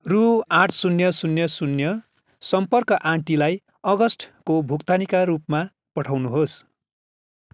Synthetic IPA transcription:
ruãʈʰsunjʌsunjʌsunjʌ | sʌmpʌrkʌʔãʈilaj | ʌɡʌsʈʰkobʱukt̪anikarupma | pʌʈʰawnuɦos

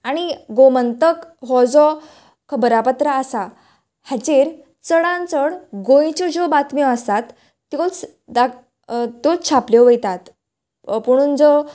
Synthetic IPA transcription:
aɽ̃iɡomənt̪əkɦɔd͡zɔ | kʰəbəɾapət̪ɾəːsa | hat͡ɕeɾ | t͡səɽãnt͡səɽɡõjt͡ɕɔd͡ʑɔbat̪mjɔ̃əst̪at̪ː | jot͡s | d̪a | t̪ot͡st͡ɕʰapljeʋəjt̪at̪ | puɽ̃uːnd͡zɔ

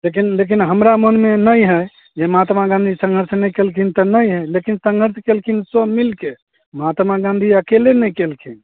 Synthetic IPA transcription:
lekinlek̬inɦəmɾamənmenəjɦəj | d͡ʒemat̪maɡãnd̪ʱisə̃ŋɡʱəɾsnəjkelkʰint̪ənəjɦəlekinsə̃ŋɡʱəɾsʰkelkʰinsəbmilke | mat̪maɡãnd̪ʱiəkelenəjkelkʰin

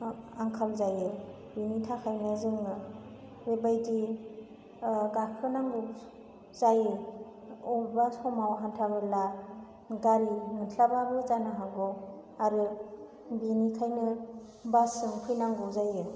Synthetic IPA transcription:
aŋkʰalzajɯ | binitʰakʰajnɯzɯŋɯ | ɾebajdi | ɡakʰɯnaŋɡu | zaje | ɔbasɔmawɦantʰabɯla | ɡaɾimɯtʰlababɯzanaɦaɡɔ | aɾɯ | binikʰajnɯ | basɯŋpʰɯjnaŋɡuzaje

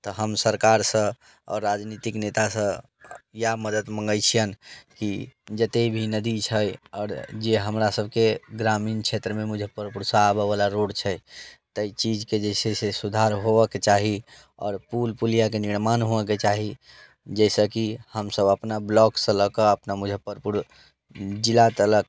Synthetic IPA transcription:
t̪əɦəmsəɾkaɾsə̃ | ɔ̰ːɾːad͡ʒnit̪iknet̪asə̃ | jaməd̪ət̪mə̃ŋɡəjt͡ʃʰijənkid͡ʒət̪ebʱinəd̪it͡ʃʰəjɔːɾd͡ʒeɦəmɾasəbʱkeɡɾamint͡ʃʰet̪ɾəmemud͡ʒʱepəɾpuɾsaəbəbalaɾoɽt͡ʃʰət̪əit͡ʃid͡ʒked͡ʒəɪsesesud̪ʱaɾɦoʋəket͡ʃaɦi | ɔ̰ːɾpulpulijakeniɾmanɦoəket͡ʃaɦi | d͡ʒəɪsəkihəmsəbəpnablɔksə̃ləkəəpnamud͡ʒʱəpəɾpuɾ | d͡ʒilat̪ələk̚

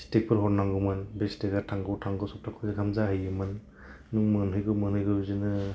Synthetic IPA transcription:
stek̚pʰɯɾɦɔɾnaŋɡɯmɯnbesteɡaɾtʰaŋɡɯwtʰaŋɡɔwsɔp̚tʰakʰɔzaɡʰamzaɦɯjɯmɯnː | uŋmɯnɦɯjɡɯmɯnhɯjɡɯzinɯ

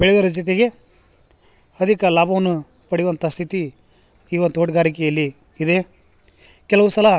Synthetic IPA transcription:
beɭed̪ɐɾɐs̬t̪it̪̬eɡe̞ | ɐd̪ʱikɐlaːbʱɐʋɐnːu | pɐɽiʋont̪ɐst̪ʰit̪i | iːʋond̪uoːʈɡaːɾikɛjɐlːiː | d̪e̞ | kɛlɐʋusɐlɐ

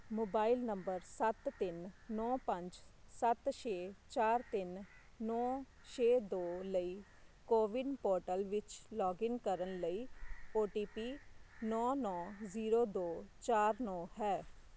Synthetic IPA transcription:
moːbaːɪlnəmbəɾsət̪ːɪnːɔːpə̃ɲd͡ʒsət̪ʃeːt͡ʃaːɾt̪ɪnː | ɔː | t͡ʃʰeːd̪oːləiː | koːʋɪɖpoːɾʈəlʋɪt͡ʃlɔːɡɪŋkəɾənləiːoːʈiːpiːnɔːnɔ̃ːziːɾoːd̪oːt͡ʃaːɾnɔːɦɛː

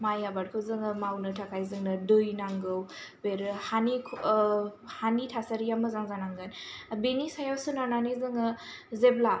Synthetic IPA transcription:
majabaɾkʰɯzɯŋɯmawnɯtʰakʰajzɯŋnɯdojnaŋɡɯwbeɾhanikʰ | hanitʰasaɾijamɯzaŋzanaŋɡɯnbenisajasunananizɯŋɯ | zebla

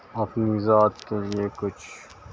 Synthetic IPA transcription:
ɐpnizaːt̪keliekʊt͡ʃʰ

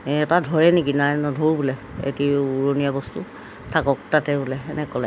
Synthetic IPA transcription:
ɛtadʱɔɹɛnekinajnɔdʱoɹubulɛḛtiuɹonijabɔstu | tʰakɔk̚tatɛbulɛɛnɛkɔlɛ

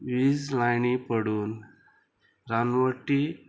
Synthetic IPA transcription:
ʋizlajɳipəɽuːn | ɾanʋəʈːi

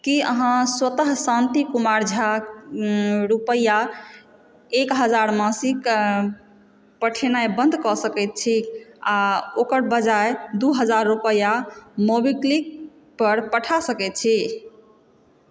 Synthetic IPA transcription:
kiə̰ɦãswət̪əɦsãnt̪ikumaɾd͡ʒʱa | ɾupəja | ekɦəd͡ʒaɾmãsik | pəʈʰenajbə̃nd̪ʱkɔsəkɛt̪̚t͡ʃʰiaokəɾbəd͡ʒaed̪uɦəd͡ʒaɾːupəjamobiklik̚ | pəɾpəʈʰasəkɛt̪̚t͡ʃʰi

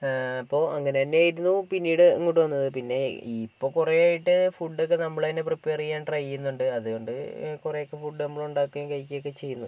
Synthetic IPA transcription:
ɐpːo̞ːɐŋːɐne̞ɐnːeaːjiɾunːupinːiːɽɨeŋːuʈːuʋɐnːɐðɨpinːe̞ipːo̞ːkurejaːjiʈːɨfuɖːokːe̞nɐmːɐɭɐinːepripːeːrijaːnʈrɐjːunːuɳɖɨɐðuɣo̞ɳɖɨ̰kurejokːe̞fuɖɨnɐmːɐɭuɳɖaːkːɐjamkɐjkʲːijokːe̞t͡ɕe̞jːunːu

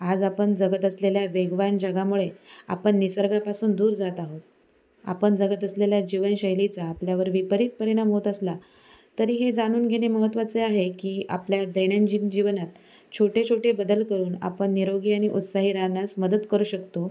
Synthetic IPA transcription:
ad͡zapəɳd͡zəɡət̪əsleljaʋeɡʋand͡ʑəɡamuɭea̰pəɳːisəɾɡapasuːnd̪uːɾd͡zat̪aɦot̪̚ | a̰pəɳd͡zəɡət̪əsleljad͡ʑiʋənɕəjlit͡saːpljaʋəɾʋipəɾit̪̚pəɾiɽ̃amɦot̪əsla | t̪əɾiːɦed͡zaɽ̃uːnɡʱeɽ̃eməɦət̪ʋat͡seaɦekiːa̰pljad̪əɽ̃jand͡ʑind͡ʑiʋnat̪̚ | t͡ɕʰoʈet͡ɕʰoʈebəd̪əlkəɾuːna̰pəɳːiɾoɡiːaɽ̃iʔut̪saɦiɾanasməd̪əd̪kəɾuːɕəkt̪o

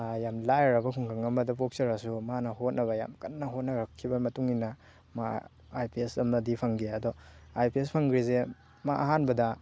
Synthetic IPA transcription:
jamlajɾɐbɐkʰuŋkʰaŋɐmɐdɐp̬ok̚sɐɾasumanɐhot̚nɐβɐja̰mkɐnːɐɦot̚nɐɾɐkʰːibɐmɐtuŋinɐ | ma̰ | ajpiesɐmnɐdipʰɐŋɡiɐdɔajpiespʰɐŋɡɾize | maʔɐɦanbɐdɐ

